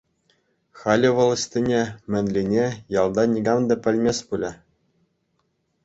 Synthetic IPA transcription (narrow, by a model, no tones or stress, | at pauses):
xɑlʲiʋɤ̆lˠɤ̆sʲt̪ʲĭnʲemʲɘ̆nʲlʲinʲejɑlˠd̪ɑnʲiɡɑmd̪ɘ̆pʲɘ̆lʲmʲesʲpulʲɘ̆